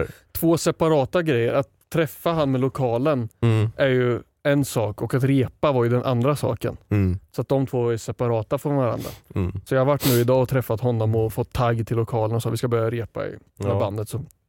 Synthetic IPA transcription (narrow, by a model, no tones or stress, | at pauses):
t̪ʰv̥oːsɛpaɾɑːt̪aɡɾɛjːə̰ɾat̪ʰːɾɛfːaɦanːmɛlʊkʰɑːlənʔæɾjɵ | ɛnsɑːkɔkat̪ɾeːpavaɾjɵd̪ɛnʔa̰nd̪ɾasɑ̰ːkə̰nsɔat̪̚d̪ɔmt̪ʰvoːɛsɛpaɾɑːt̪afɔɾvaɾa̰nd̪ɾa̰sɔjahaɾvaʈːnʉ̟ːɪd̪ɑːɔt̪ʰɾɛfːat̪hɔnːɔmɔfɔt̪ʰːaɡːt̪ʰɪlːʊkʰɑːlənɔsɑːvɪskabœɾjaɾeːpa̰ɪ̰ | band̪ət̪sɔ